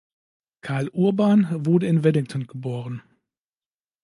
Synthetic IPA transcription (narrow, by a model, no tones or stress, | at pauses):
kʰaɐlʔuɐbaːnvʊɐdəɪnvɛlɪŋtʰɔnɡ̥əboːʁ̞ən